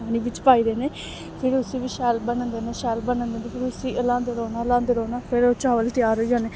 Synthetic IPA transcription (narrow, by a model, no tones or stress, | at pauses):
aːñĩːʋɪt͡ʃpaːiːd̪eːneː | pʰɪɾʊsĩːʋiːʃɛːlbənə̃nd̪eːneːʃɛːlbənənd̪eːneːpʰɪɾʊsĩːʔəlãːnd̪əɾoːnaːlãːnd̪əɾoːnaːpʰɪɾoːt͡ʃaːʋəlt̪ɪjaːɾɦoːd͡ʒaːneː